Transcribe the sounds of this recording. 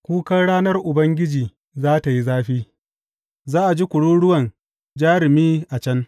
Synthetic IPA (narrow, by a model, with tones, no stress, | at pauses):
kʷuː˦kɐ˦nɽaː˦nɐ˦rʔʊ˨bɐ˦ŋɡʲɪ˦d͡ʒiː˨ | zaː˦ta˨ji˦zaː˦ɸiː˦ | zaː˦ʔa˨d͡ʒi˦kʷʊ˨ɽuː˦ɽʊ˦wɐ˨n | d͡ʒaː˦ɾɪ˨miː˦ʔa˨t͡ʃɐ˦n